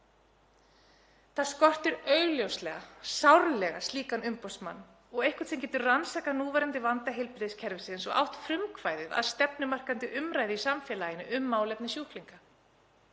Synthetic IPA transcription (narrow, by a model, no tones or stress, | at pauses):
θaðskɔr̥t̪ɪɾœːɥɣljowslɛɣasawɾlɛɣast̪liːkanʏmpɔsma̰nː | ɔɣejhkʏ̥t̪θimcɛːt̪ʏɾransaːkanuːvɛjɾant̪ɪvant̪aɦɪlpɪɾðɪscʰɛɾvɪsɪnsɔɣa̰wht̪fɾʏmkʰvaːjðɪða̰ðst̪ɛpnʏmar̥kant̪ɪʔʏmɾaːjðɪisamfjɛːlajɪnːɪʔʏmːaːwlɛpnɪsjuhk̪liŋka